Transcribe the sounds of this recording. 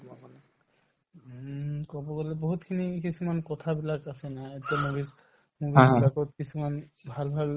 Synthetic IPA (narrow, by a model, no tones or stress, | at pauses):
mamane | kɔboɡɔleboɦut̪kʰinikisʰumankɔt̪ʰabilakasenaet̪emubis | mubibilakɔt̪kisʰumanbʱalbʱal